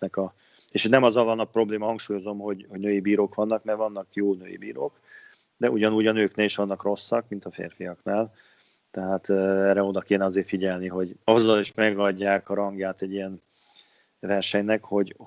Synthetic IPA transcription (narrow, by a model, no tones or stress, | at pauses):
nɛkɒ | eːʃhnɛmɒzɒvɒnːɒpro̞bleːmɒɦɒŋkʃuːjo̞zo̞mɦo̞ɟho̞ɟnøːjibiːɾoːkʋɒnːɒkmɛrvɒnːɒkjoːnø̰ːjḭbḭːɾoːk | d̪ɛuɟɒnuɟɒnøːkneːliʃʋɒnːɒkro̞sːɒkmint̪ɒfḛːrfijɒknaːl | t̪ɛɦaːt̪ːɛrɾːɛo̞d̪ɒkeːnɛɒzeːrfiɟɛlniɦo̞ɟɒzːɒliʃmɛɡɒɟːaːkɒɾɒŋɡjaːt̪ɛɟːijɛn | vɛrʃɛɲnɛkho̞ɟ